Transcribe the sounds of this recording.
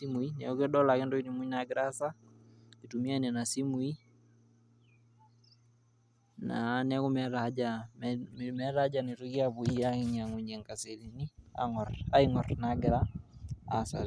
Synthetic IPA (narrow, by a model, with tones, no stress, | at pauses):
si˦mu˨i˦nɛ˨u˦kɛ˦ɗɔ˦la˨kɪ˦ndɔ˦i˦ni˨mu˦i˦na˨ɡɪ˨ɾa˦sa˦ki˨tu˨mi˦a˦nɛ˨na˨si˦mu˨˦i˦ | na̰˨˦nɛ˦kʊ˦mɛ˦ɾa˦d͡ʒammɛ˦ɾa˦d͡ʒa˨ni˨tu˦ki˦a˦βu˨i˦a˦kɪ˦ɲa˨ŋu˨ɲɛ˨ŋka˨se˨li˨ni˦a̰˦ŋɔ˨ra˦i˦ŋɔ˨rnaɡɪ˨ɾaː˦˨ | sa̰˨l